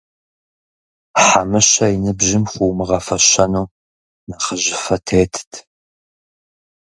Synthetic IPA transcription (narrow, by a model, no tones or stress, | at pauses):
ħamɨɕɐinɨbʑɪmχʷuːmɨʁɐfɐɕɐnuː | nɐχəʑɪfɐtʰeːtʰtʰ